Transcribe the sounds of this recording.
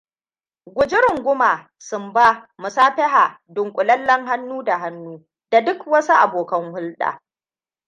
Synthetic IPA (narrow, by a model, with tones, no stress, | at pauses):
ɡʷʊ˨d͡ʒɪ˦ɾʊ˨ŋɡʷʊ˦maː˨ | sʊ˨mbaː˦mʊ˨saː˦ɸɪ˦ɦaː˨ | dʊ˨ŋkʷʼʊ˨lɐ˦lːɐ˦ŋɦa˦nːuː˦da˨ɦa˦nːuː˦ | d̥a˨dʊ˦kwɐ˦su˦ʔa˨boː˨kɐ˦ŋhʊ˦lɗa̰ː˨